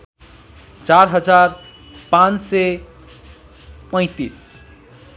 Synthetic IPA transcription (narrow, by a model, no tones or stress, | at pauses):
t͡ʃaɾɦʌd͡zaɾ | pãnt͡sse | pʌ̃ɪ̃t̪is